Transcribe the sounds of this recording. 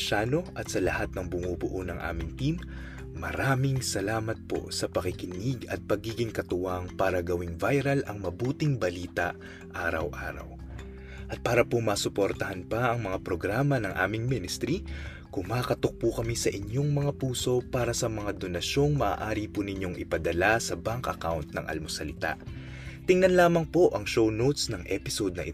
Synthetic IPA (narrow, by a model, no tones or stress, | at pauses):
ʃaːno̞ʔɐt̪sɐlɐhat̪̚nɐŋbʊŋubʊʔonɐŋʔa̰ːmɪŋt̪imː | ɐ̰ɾaːmɪŋsɐlaːmɐt̪̚po̞̰sɐpɐkɪkɪniɡɐt̪̚pɐɡiːɡɪŋkɐt̪ʊwaŋpaːɾɐɡɐwɪŋvajɾɐlʔɐŋmɐbuːt̪ɪŋbɐliːt̪ɐʔ | ʔaːɾɐ̰wʔa̰ːɾɐ̰w | ʔɐt̪̚paːɾɐpomaːsʊpo̞ɾt̪ɐɦɐnpɐʔɐŋmɐŋapɾoɡɾaːmɐnɐŋʔa̰ːmɪŋmɪnɪst̪ɾi | kʊŋmaːkɐt̪ok̚pukɐmisɐʔɪɲo̞ŋmɐŋapuːso̞paːɾɐsɐmɐŋad̪o̞nɐʃo̞ŋmɐʔa̰ːʔaːɾipunɪɲo̞ŋʔɪpɐd̪ɐlasɐbaŋkʔɐkawnt̪̚nɐ̰ŋʔɐ̰lmosɐlɪt̪a̰ʔ | t̪ɪŋnɐnlaːmɐŋpo̞ʔɐŋʃownowt̪snɐŋʔɛpɪsod̪̚nɐʔɪ